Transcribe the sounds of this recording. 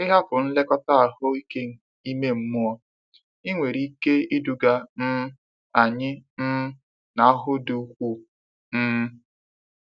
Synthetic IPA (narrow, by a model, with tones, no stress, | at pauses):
ɪ˦ɦa˦pʊ˨n̩˦le˦kɔ˦ta˦a˨hʊ˦i˦ke˦n̩˨ | i˦me˦m̩˦mu˦ɔ˦ | i˦ŋʷe˨ɾi˦ke˦i˦du˨ɡa˦m̩˦ | a˨ɲɪ˦n̩˦ | na˨a˦ɦʊ˦du˨˦kʷu˦ | n̩ː˦